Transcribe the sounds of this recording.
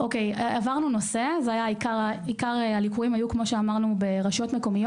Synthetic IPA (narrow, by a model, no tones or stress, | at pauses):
okejavaʁnuno̞se̞zeajaikaʁikaʁealikuʁimajukmo̞ʃeamaʁnube̞ʁaʃo̞tmeko̞mijo